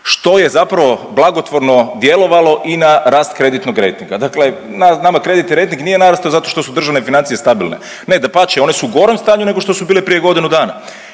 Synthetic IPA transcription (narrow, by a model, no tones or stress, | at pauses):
ʃt̪o̞je̞zapɾaʋo̞blˠaɡot̪ʋo̞ɾno̞d̪je̞lo̞ʋalˠo̞ʔinaɾaːst̪kɾe̞d̪it̪noɡɾejt̪iŋɡad̪akle̞nanamakɾe̞d̪it̪niɾejt̪iŋɡnije̞naɾast̪izat̪o̞ʃt̪o̞sud̪r̩ʒaʋnefinant̪sije̞st̪abilˠnḛ | ned̪apat͡ʃeo̞ne̞suːɡo̞ɾemst̪aːɲune̞ɡo̞ʃt̪o̞subiːlepɾijeɡo̞d̪inud̪aːna̰